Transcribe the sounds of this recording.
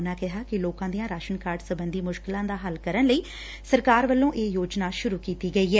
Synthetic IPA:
nãːkɪɦaːkɪloːkãːd̪ijãːɾaːʃənkaːɾɖsəbənd̪iːmʊʃkɪlãːd̪aːɦəlkəɾənləiː | səɾkaːɾʋəlːõːʔeːjoːd͡ʒnaːʃʊɾuːkiːt̪iːɡəiːɦɛː

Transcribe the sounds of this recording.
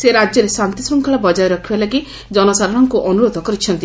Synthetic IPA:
seɾad͡ʒjɔɾesant̪isɔŋkʰɔɭɔbɔd͡ʒajɔɾɔkʰibalaɡi | d͡ʒɔnɔsaɾɔɽ̃ɔŋkuʔɔnuɾod̪ʱɔkɔɾit͡ʃʰɔnt̪i

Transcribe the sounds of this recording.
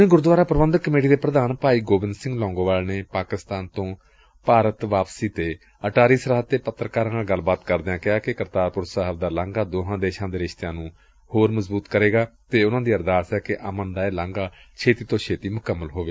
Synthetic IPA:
ẽːɡʊɾd̪ʋaːɾaːpəɾəbə̃nd̪kːəmeːʈiːd̪eːpɾəd̪aːnpaːiːɡoːbɪ̃nd̪sɪ̃ŋɡlɔ̃ːŋɡoːʋaːlneːpaːkɪst̪aːnt̪õː | paːɾət̪ʋaːpsiːt̪eː | əʈaːɾiːsəɾaɦət̪eːpət̪ːɾkaːɾãːaɡəlbaːt̪kəɾd̪eãːkɪaːkɪkəɾt̪aːɾpʊɾsaɦəbd̪aːlãːŋɡaːd̪oːɦãːd̪eːʃãːd̪eːɾɪʃt̪ejãːnũː | hoːɾməzbuːt̪kəɾeːɡaːt̪eːʊnãːd̪iːəɾd̪aːsɛːkɪʔəmənd̪aːeːlãːŋɡaː | t͡ʃʰeːt̪iːt̪õːt͡ʃʰeːt̪iːmʊkəmːəlɦoːʋeː

